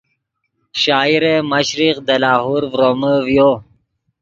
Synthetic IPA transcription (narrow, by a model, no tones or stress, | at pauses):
ʃaːiɾeməɕɾiqd̪ɐlaːɦuɾvɾoːməvjo